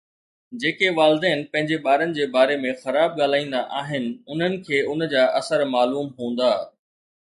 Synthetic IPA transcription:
d͡ʑeːkeʋaːlɪd̪əːɪnɪ̆pɐ̃ɦɪ̃ɲd͡ʑeɓaːɾənɪ̆d͡ʑeːbaːɾemẽxɐɾaːb̚ɠaːl̤aːĩːn̆d̪aʔaːɦɪnɪ̆ʊn̤ənɪ̆kʰeːʊnd͡ʑaːʔɐsəɾmaːluːmɦũːnd̪aː

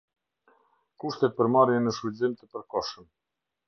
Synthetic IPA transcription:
kuʃt̪ɛt̪̚pəɾmaɾjɛnəʃuzimt̪əpəɾkɔʃəm

